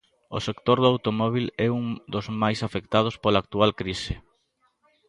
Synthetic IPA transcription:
o̰sekt̪oɾðawt̪omɔβ̞ilɛuŋd̪ozmajsafek̚t̪að̞ospolaːk̚t̪ualkɾisɪ

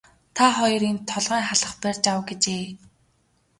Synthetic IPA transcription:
t̪ʰaχɔjɞ̆rent̪ʰɔɮʁaːŋχaɮə̆χpær̥ʲt͡ɕawɡet͡ɕeː

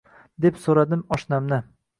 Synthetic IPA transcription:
d̪e̞psoɾad̪ɪmɒʃnamnɪ

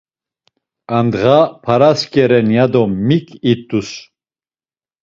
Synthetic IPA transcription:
and̪ʁapʰaɾaskʼɛɾɛnjad̪ɔmikʰʼit̪ʼːus

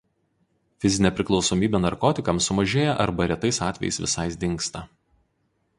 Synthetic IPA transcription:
fʲɪzʲɪnʲɛpʲɾʲɪklˠɒʊsɔːmʲiːbʲɛnɐɾkɔːt̪ʲɪkɐmsʊmɐʒʲeːjɛʔɐ̰ɾbɐɾʲɛt̪ɐɪsɑːt̪ʲʋʲɛ̰jɛ̰ɪ̰sʋʲɪ̰sɐɪsd̪ʲɪŋˑkst̪ɑː

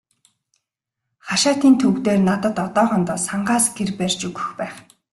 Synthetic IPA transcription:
χaʃaːt̪iːnt̪ʰɵwt̪eːrnat̪ə̆t̪ɔt̪ɔːʁə̆nt̪ɔːsaɴɢaːsɡerpærʲt͡ɕɵɣɵ̆xpæːχ

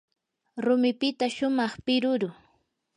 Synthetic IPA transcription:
ɾʊmɪpɪt̪aʃʊmɑχpɪɾʊɾʊ

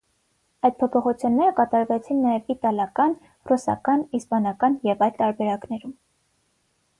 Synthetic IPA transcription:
ɑjd̪̚pʰɔpʰɔχut͡sʰjunːɛɾəkɑt̪ɑɾvɛt͡sʰinːɑjɛvit̪ɑljɑkɑn | rusɑ̰kɑnispɑnɑkɑnjɛvɑjlt̪ɑɾbɛɾɑknɛɾum

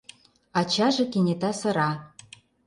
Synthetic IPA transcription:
ɑt͡ɕɑʒɤ̆kenʲet̪ɑsɤ̆ɾɑ

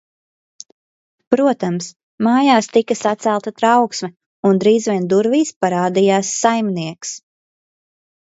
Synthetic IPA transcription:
pɾuɔt̪ams | maːjaːst̪ikasat̪sælˠt̪at̪ɾawksmɛ | und̪ɾiːzvʲiɛnd̪uɾviːspaɾaːd̪ijaːsːajmniɛks

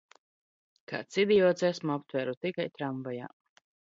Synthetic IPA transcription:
ka̰ːt̪sid̪ijɔːt̪sɛsmuɔp̚t̪væɾut̪ikajt̪ɾaɱvaja̰ː

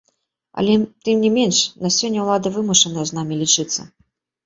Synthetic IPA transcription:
ɐ̰lʲɛt̪ɨmnʲɛmʲenʂnɐsʲɔnʲːɛwlˠad̪ɨvɨmuʂɐnɐjɐznamʲilʲit͡ʂɨt̪sːɐ̰

